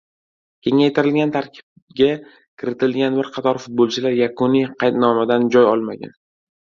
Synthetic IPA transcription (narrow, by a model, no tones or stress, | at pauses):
kʲʰe̞ŋajt̪ʰɪɾɪlɡʲant̪ʰaɾkʲʰɪ̥b̚ | ɡʲa | kʲʰɪɾɪt̪ʰɪlɡʲanbɪɾqʰɑt̪ʰɒɾfʊt̪̚bolˠt͡ʃʰɪlaɾjakʰʊnijqʰɑjt̪nɒmad̪and͡ʒɒjɒ̰lˠmaɡʲa̰n